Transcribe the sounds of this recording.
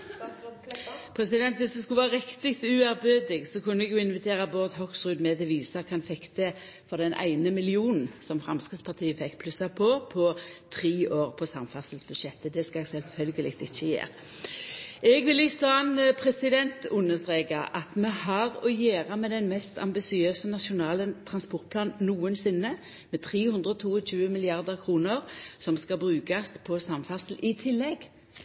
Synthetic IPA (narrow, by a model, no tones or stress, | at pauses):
pʰʁɛsɪd̪ɛnt̪ʋɪsd̪ɛskʉʋæːʁɪkt̪ɪkt̪ʉːæʁbøːd̪ɪɡsɔkʉnːəɛɡjʊɪnʋɪt̪ʰeːʁɑboːʁd̪ɦɔksʁʉːd̪mɛt̪ʰɪʋiːsɑkʰɑnfɛkt̪ə | fɔʁd̪ɛnʔæ̰ɪnəmɪlɪuːnn̩sɔmfʁɑmskʁɪt̪spʰɑʁt̪ʰiːəfɛkːpʰlʉsɑpʰɔpʰɔt̪ʰʁiːʔoːʁpʰɔsɑmfɑsəlsb̥ʉʃɛt̪ːəd̪ɛskɑɛɡsɛlfœlɡəlɪk̚t̪ɪçːəjḛːʁ | ɛɡʋɪlɪçsɑnpʰʁɛsɪd̪ɛnt̪ʰʊnəsʁeːɡɑʔɑt̪mɛhɑʁɔjeːʁɑmɛd̪ɛnmɛst̪ʰɑ̰mbɪsɪøːsənɑʃʊnɑːlənt̪ʰʁɑnspɔʁt̪̚pʰlɑːnnnuːənsɪnːə | mɛt̪ʰʁiːhʉnd̪ʁəɔt̪ʰuːɔɕʉːəmɪlɪɑʁd̪əʁkʰʁuːnəʁsɔmskɑbʁʉːkɑspʰɔsɑmfɑsl̩ɪt̪ʰɪlːɛɡ